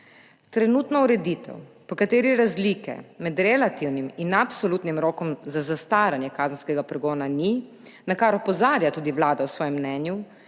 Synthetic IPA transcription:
t̪ɾɛnuːt̪nɔuɾɛd̪it̪ɛ̰wpɔkat̪eːɾiɾazlikɛ̰mɛd̪ɾɛlat̪iwniminapsoluːt̪nimɾoːkɔmzazast̪aːɾanjɛkaːzənskɛɡapɾɛɡɔːnani | nakaɾɔpɔzaːɾjat̪uːd̪iʋlaːd̪awsʋɔːjɛmːnɛːnju

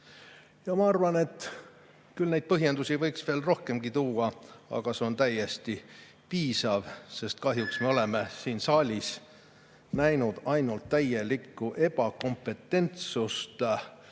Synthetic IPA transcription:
jɑmɑɑrvɑne̞t̪ːˑ | kylnejd̪̚pɤɦjend̪usʲivɤjksve̞ːlro̞hke̞mɡ̥it̪uːɑɑ̰ɡ̥ɑse̞o̞nt̪æje̞st̪i | piːsɑvse̞st̪̚kɑɦjuksme̞o̞le̞me̞siːnsɑːlʲis | næjnud̪̥ɑjnult̪ːæje̞likːuʔe̞bɑko̞mpːe̞t̪ːe̞nt̪sust̪

